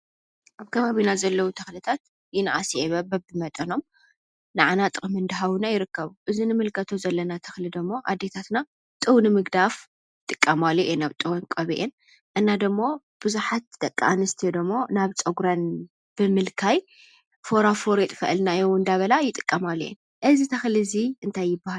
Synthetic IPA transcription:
ʔaβkʰɐβaβinazɐlːɐwut̪ʰɐxlɨt̪ʰat̪ | jɪnaʔasiʔeβɐbɐbɨmɐt̪ʼɐno̞m | nɨʕanat̪ʼɨxʼɨmɨnd̪ɨɦawunajɪɾɨkːɐβuʔɨzinɨmɨlkʰɐt̪ʰozɐlːɐnat̪ʰɐxlid̪ɨmːo̞ʔad̪ːe̞t̪ʰat̪na | t̪ʼɨwnɨmɨɡd̪af | jt̪ʼɨkʼːɐmalːuʔenaβt̪ʼɨwɐnkʼɐβiʔen | ʔɨnːad̪ɨmːo̞ | b̥ɨzuħat̪̚d̪ɐkʼːa̰ʔanɨst̪ʰid̪ɨmːo̞naβt͡sʼɐɡɾan | b̥ɨmɨlkʰaj | foɾafoɾet̪ʼfɐʔlnajowɨnd̪aβɐlajɪt̪ʼɨ̥kʼːɐmalːuʔḛn | ʔɨzit̪ʰɐxliziʔɨnt̪ʰajːɪbːaha

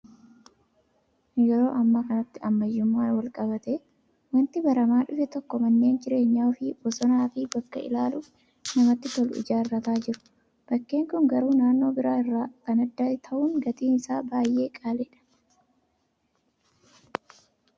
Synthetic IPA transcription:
jɔɾo̞̰ːʔɐmːakɐnɐt̪ːɪɐmːɐjːʊmːaːwɐlkʼɐbɐt̪e | wɐnt̪ɪbɐɾɐmaːᶑʊfɛt̪ɔkːɔmɐnːeːnd͡ʒɪɾe̞ːɲːaːʊfɪbɔsɔnaːfɪbɐkːɐ̰ɪ̰laːluːf | nɐmɐt̪ːɪt̪ɔlʊɪ̰d͡ʒaːɪrːɐt̪aːd͡ʒɪɾʊ̥ | b̥ɐkːe̞ːŋkʊŋɡɐɾuːnaːnːo̞ːbɪɾaːɪrːaːk̪ɐnɐd̪ːɐt̪ʰɐʔuːŋɡɐt̪iːnɪsaːbaːjʔe̞ːkʼaːlɛᶑɐ̥

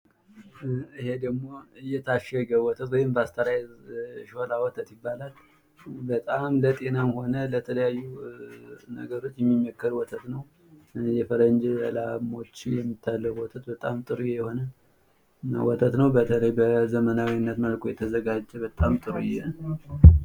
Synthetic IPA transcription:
ɨhe̞d̪əɡmo̞ɨjːɛt̪ʰaʃɛɡəwɔt̪ʰət̪wɔjhɪmbast̪ʰəɾajzʃolawɔt̪ʰət̪jɪbːalal | bət̪ʼamlət̪ʼe̞namho̞nələt̪ʰələjajːu | nəɡəɾo̞t͡ʃːjɛmːimːəkːəɾwɔt̪ʰət̪nəw | jɛfəɾənd͡ʒlamo̞t͡ʃːjɛmːit̪ʰːalːəwwɔt̪ʰət̪bət̪ʼamt̪ʼɨɾujɛjɛho̞nə | na̰wɔt̪ʰət̪nəwbət̪ʰələjbəzəmənawinːət̪məlkʰojɛt̪ʰəzəɡad͡ʒːɛbət̪ʼamt̪ʼɨɾujɛ

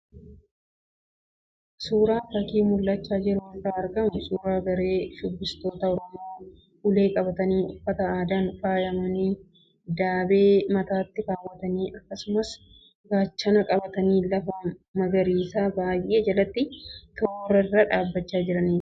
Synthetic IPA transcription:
suːɾaːfɐkiːmʊlːɐt͡ʃːaːd͡ʒɪɾʊɪtaːɐɾɡɐmʊsuːɾaːɡɐɾe̞ːʃʊbːɪst̪o̞ːt̪ɐɔɾɔmoː | ʔʊle̞ːkʼɐbɐt̪ɐniːʊfːɐt̪ɐaːd̪aːnfaːjɐmɐniː | d̪aːbe̞ːmɐt̪aːt̪ːɪfaːwɐt̪ɐniːʔɐkːɐsʊmɐs | ɡaːt͡ʃːɐnɐkʼɐbɐt̪ɐniːlɐfɐmɐɡɐɾiːsaːbaːjʔeːd͡ʒɐlɐt̪ːɪt̪oɾɐɪrːɐᶑaːbːɐt͡ʃːaːd͡ʒɪɾɐniːɾ

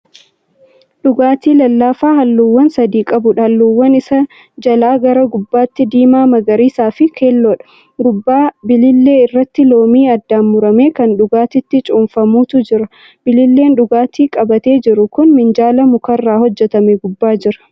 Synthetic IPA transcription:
ᶑʊɡaːt̪iːlɐlːaːfaːhɐlːuːwːɐnsɐd̪iːkʼɐbʊᶑɐhɐlːuːwːɐnɪsɐ | d͡ʒɐlaːɡɐɾɐɡʊbːaːt̪ːɪd̪iːmaːmɐɡɐɾiːsaːfɪkʰeːlːoːᶑɐ̥ | ɡʊbːaːbɪlɪlːe̞ːɪrːɐt̪ːɪlo̞ːmiːɐd̪ːaːnːʊɾɐme̞ːkɐnᶑʊɡaːt̪ɪt̪ːɪt͡ʃʼuːnfɐmuːt̪ʊd͡ʒɪɾɐ | b̥ɪlɪlːe̞ːnᶑʊɡaːt̪iːkʼɐbɐt̪e̞ːd͡ʒɪɾʊkʊnmɪnd͡ʒaːlɐmʊkɐrːaːhɔd͡ʒːɛt̪ɐmɛɡʊbːaːd͡ʒɪɾɐ̥

